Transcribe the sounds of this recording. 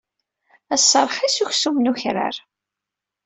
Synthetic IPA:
æsːəɾˤħisuçsumnuçɾa̰ɾ

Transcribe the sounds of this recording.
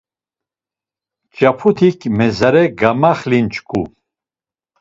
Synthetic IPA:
t͡ʃʼapʰut̪ʰikʰmɛzaɾɛɡamaχlint͡ʃʰʼkʰʼu

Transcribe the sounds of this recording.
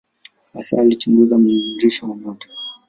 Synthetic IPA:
asaalit͡ʃuŋɡuzamuuɾiʃɔmɔmɔtḁ

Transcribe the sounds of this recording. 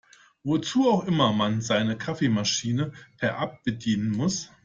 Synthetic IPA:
vot͡suːaʊxʔɪmɐmanzaɪnəkʰafeːmaʃiːnəpʰɛɐʔap̚b̥ədiːnənmʊs

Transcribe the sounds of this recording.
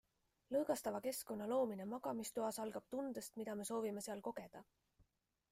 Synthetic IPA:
lɤɡ̥ɑst̪ɑvɑke̞sko̞nːɑlo̞ːminemɑɡ̥ɑmist̪uɑsɑlɡ̥ɑb̥̚t̪und̪̥e̞st̪mid̪̥ɑme̞so̞ːvime̞seɑlko̞ɡ̥e̞d̪̥ɑ

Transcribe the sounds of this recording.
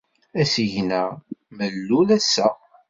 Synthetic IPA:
æsiʝnæməlːulæsːæ

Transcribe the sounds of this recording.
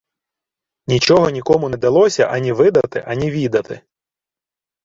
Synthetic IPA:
nʲit͡ʃɔɦɔnʲikɔmʊnɛd̪ɐlˠɔsʲɐʔɐnʲiʋɪd̪ɐt̪ɪʔɐnʲiʋʲid̪ɐt̪ɪ̰

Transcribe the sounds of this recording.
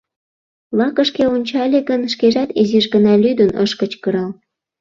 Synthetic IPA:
lɑkə̆ʃkeunʲt͡ɕɑlʲeɣənʃkeʒɑt̪iziʃɡənɑlʲyd̪ənə̰ʃkət͡ɕkəɾɑl

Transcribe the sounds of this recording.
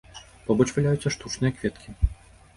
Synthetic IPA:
pɔbɔt͡ʂvalʲajut̪sʲːɐʂt̪ut͡ʂnɨjɐkvʲɛt̪kʲi

